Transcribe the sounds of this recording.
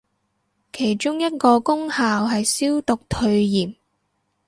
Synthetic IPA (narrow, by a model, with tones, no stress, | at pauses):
kʰe˨˩jt͡ʃʊ˥ŋjɐ˥t̚kɔː˧kʊ˥ŋhaː˨wɦɐ˨jsiː˥wt̪ʊ˨k̚t̪ʰɵ˧ɥjiː˨˩m